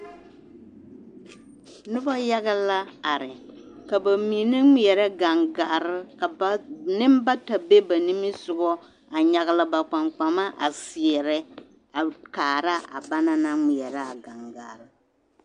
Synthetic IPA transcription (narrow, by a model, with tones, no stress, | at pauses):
nʊ˦ba˦ja˦ɣa˦la˦a˨ɾɪ˨ | ka˨ba˨mi˨nɨ˦ŋi˨ɛ˨ɾɛ˦ɡa˨ŋɡa˨ʔɾɪ˦ka˨˦nɪ˦mba˦ta˨be˦ba˨ni˦mi˦sʊ˨ɡɔ˦ | a˨ɲa˨ɣa˦la˦ba˨k͡pa˨ŋk͡pa˨ma˦ʔa˨si˨ɛ˨ɾɛ˦ | a˨kaː˨ɾa˦a̰˨ba˦na˦na˦ŋi˨ɛ˨ɾa˦a˨ɡa˨ŋɡa̰˨ʔɾɪ˦